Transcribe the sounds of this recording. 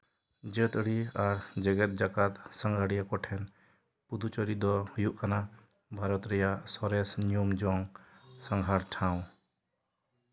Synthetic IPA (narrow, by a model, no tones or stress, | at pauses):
d͡ʒət̪ɽiaɾd͡ʒəɡɛt̪̚ˀd͡ʒakat̪saŋɡʱaɽijakɔʈʰɛn | pud̪ut͡ʃəɾid̪ɔhujuʔkana | bʱaɾɔt̪ɾɛjaʔsɔɾɛsniumd͡ʒɔŋsaŋɡʱaɾʈʰãw̃